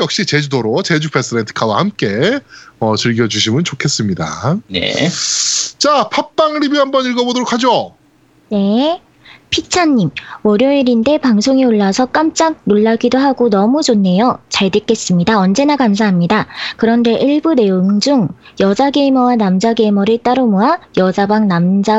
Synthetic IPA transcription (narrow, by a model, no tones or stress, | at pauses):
jʌk̚ɕ͈it͡ɕe̞d͡ʑudoɾot͡ɕe̞d͡ʑuk̚pʰes͈ɯdentʰɯ̥kʰawahamk͈e̞ʌt͡ɕɯɭɡjʌd͡ʑuɕʰimɯnt͡ɕokʰe̞s͈ɯmɲida̰nḛ | t͡ɕapʰap͈aŋɾibiɦambʌniɭɡʌbodoɾokʰad͡ʑo | ne̞ | pʰit͡ɕʰaɲːimwʌɾjʌiɾinde̞paŋsʰoŋeoɭːasʰʌk͈amt͡ɕ͈aɡ̚noɭːaɡidoɦaɡonʌmud͡ʑonːe̞jot͡ɕaɭdɯk͈e̞s͈ɯmɲidaʌnd͡ʑe̞nakams̬ʰaɦamɲidakɯɾʌnde̞ʔiɭbune̞joŋd͡ʑuŋjʌd͡ʑaɡe̞imʌwanamd͡ʑaɡe̞imʌɾɯɭt͈aɾomoajʌd͡ʑabaŋnamd͡ʑa